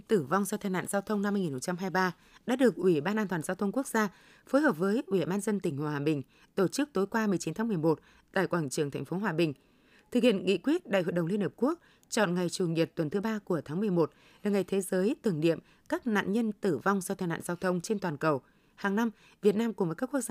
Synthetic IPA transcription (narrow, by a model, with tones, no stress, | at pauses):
t̪ɨ˧˩va˧wŋ͡mza˧wt̪ʰaː˧jna̰ː˧˨zaː˧wt̪ʰə˧wŋ͡mna˧mː˧jŋi˨˩ho˨˩t͡ɕa˧mɦaː˧jɓaː˧ | ɗa̰ː˧˥ɗɨ˨˩ək̚ʔwi˧˩ɓaː˧nʔaː˧nt̪waː˨˩zaː˧wt̪ə˧wŋ͡mku˦˥ək̚z̥aː˧ | fo˨˦jhəː˨˩p̚vəː˨˦jʔwi˧˩ɓaː˧nzə˧nt̪ï˨˩ŋ̟hwaː˨˩ɓï˨˩ŋ̟ | t̪o˧˩t͡ɕɨ˦˥k̚t̪o˨˦jkwaː˧m˨˩əjt͡ɕi˨˦nt̪ʰːmɨ˨˩əjmo˨˩t̚ | t̪a̰ː˧˨jkwaː˧˩ŋt͡ɕɨ˧˩əŋt̪ʰɛ˨˩jŋ̟fo˨˦ɦwaː˨˩ɓï˨˩ŋ̟ | t̪ʰɨ˨˩k̚hḭ˧˨ənŋḭ˧˨kwi˦˥ət̚ɗa̰˧˨jhw̰ə˧˨jɗə˨˩ŋ͡mli˧ənhəː˨˩p̚ku˦˥ək̚ | t͡ɕɔ̰˧˨nŋa˨˩jt͡ɕu˨˩ŋi˨˩t̚t̪wə˨˩nt̪ʰɨ˨˦ɓaː˧ku˧˩ət̪ʰaː˨˦mɨ˨˩əjmo˨˩t̚ | laː˨˩ŋa˨˩jt̪ʰe˨˦zəː˨˦jt̪ɨ˨˩əŋnḭ˧˨əm | kaː˦˥k̚na̰ː˧˨nɲə˧nt̪ɨ˧˩va˧wŋ͡mzaː˧t̪ʰa˧jna̰ː˧˨zaː˧wt̪ʰə˧wŋ͡mt͡ɕe˧nt̪waː˨˩nkə˨˩w | haː˨˩ŋna˧m | vi˨˩ət̚naː˧mku˨˩ŋ͡mvəː˨˦kaː˦˥kːu˦˥k̚